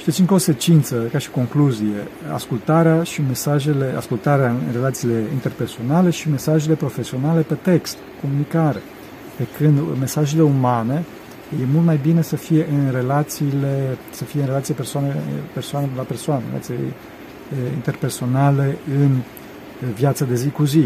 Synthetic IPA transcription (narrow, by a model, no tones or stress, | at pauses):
ʃit̪it̪t͡ʃsʲiŋkose̞t͡ʃint̪səkaʃi̥ko̞ŋkluzije̞̰a̰skult̪aɾeaʃime̞saʒe̞le̞ʔa̰skult̪aɾeanre̞lat̪siːleint̪e̞rpe̞rso̞nale̞ʃime̞saʒele̞pɾo̞fe̞sio̞nale̞pe̞t̪e̞kst̪ko̞munikaɾe̞̰ | pe̞kɨnd̪me̞saʒe̞le̞umane̞ | je̞mult̪majbine̞səfije̞ʔɨnre̞lat̪siːle̞ | səfijeɨnre̞lat̪sijeepersoanepe̞rsoanelape̞rsoanḛɾḛlat̪sijḛ | ḭnt̪e̞rpe̞rso̞nale̞ɨn | vjat̪sad̪e̞zikuzi